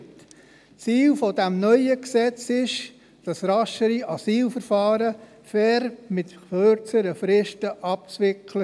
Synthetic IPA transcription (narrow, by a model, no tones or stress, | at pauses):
t͡siːlfodɛmnœʏəksɛt͡sɪʃ | d̥ɑsɾɑʃəɾiʔɑsiːlfəɾfɑːɾə | fɛɾmɪtøɾt͡səɾəfɾɪʃtəʔɑp̚t͡svɪkʰlə